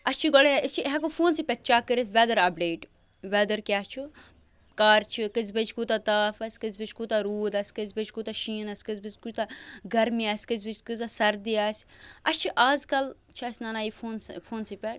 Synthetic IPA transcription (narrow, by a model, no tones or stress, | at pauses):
ɐst͡ʃʰiɡɔɽeɪst͡ʃʰiɦɛkofʰoːnsiːpʲɐʈt͡ʃaːkəɾet̪ʰʋɛːd̪ɐɾɐbɖeːʈ | ʋɛːd̪əɾkʲaːt͡ʃʰu | kaːɾt͡ʃʰikɨzbɐt͡ʃʰkuːt̪at̪aːfɐsʲkɨzbit͡ʃʰkut̪aɾuːd̪ɐsʲkɨzbet͡ʃkuːt̪aʃiːnɐsʲkɨzbɐzʲkut̪aɡɐɾmiasʲkɨzbit͡ʃkɨzasɐɾd̪iaːsʲɐst͡ʃʰiʔaːzkɐl | t͡ʃʰɐsʲnanaːifʰoːnfʰoːnsipʲɛʈ